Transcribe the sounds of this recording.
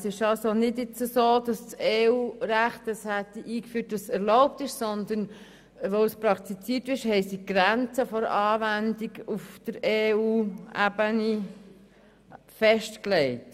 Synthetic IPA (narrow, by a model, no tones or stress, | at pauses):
sɪʃɑlsonɪdɪt͡səsoːd̥ɑst͡seːuːɾæχtəshætiʔiːkfyːtɑsɛɾlɔʊp̚tɪʃsɔnd̪ən | ʋoʊspɾɑkt̪it͡siːtʋɪʃhɛɪsiɡ̥ɾænt͡səfɔɾɑːʋændiɡufd̥əɾeːuːæ̰bəni | fɛʃtklɛɪt